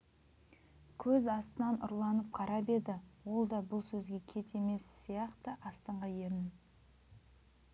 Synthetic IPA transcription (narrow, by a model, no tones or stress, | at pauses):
kʲʰɵzɑst̪ənɑnʊ̰ɾlˠɑnəp̚qʰɑɾɑpe̞d̪ɪwo̞lˠd̪ɑbʊlˠsɵzɡʲe̞kʲʰe̞t̪e̞me̞sːijɑqt̪əʔɑst̪ɑɴʁɑje̞ɾnɪ